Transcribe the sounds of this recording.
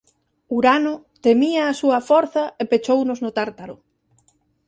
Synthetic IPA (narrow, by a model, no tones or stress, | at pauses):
uɾanʊ | t̪emiɐːsuɐfɔɾθɐepet͡ʃownʊznʊt̪aɾt̪aɾʊ